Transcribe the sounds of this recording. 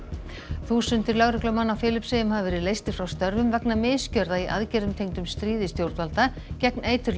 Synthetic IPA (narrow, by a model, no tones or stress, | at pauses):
θuːsʏnt̪ɪɾlœɣɾʏklœmanːawfɪːlɪpsejɪmhavavɛːɾɪðleːjst̪ɪ̥fɾawst̪œɾvʏmvɛknamɪscœɾðaiʔa̰ðcɛɾðʏmt̪ʰejŋt̪ʏmst̪ɾiːðɪst̪jowɾ̥t̪valt̪a | cɛkneːjt̪ʏɾ